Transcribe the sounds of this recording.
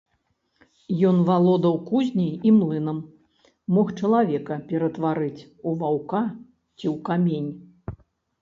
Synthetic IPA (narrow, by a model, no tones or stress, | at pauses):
jɔnvalˠɔd̪ɐwkuzʲnʲiimlˠɨn̪ɐmː | ɔxt͡ʂɐlˠavʲɛkɐpʲɛɾɐt̪vaɾɨt͡sʲ | uvawka | t͡sʲiwkamʲenʲ